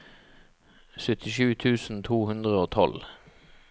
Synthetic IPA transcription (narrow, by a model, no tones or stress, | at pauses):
sœt̪ʰɪʃʉːt̪ʰʉːsn̩t̪ʰuːhʉnd̪ʁəoːt̪ʰɔ̰l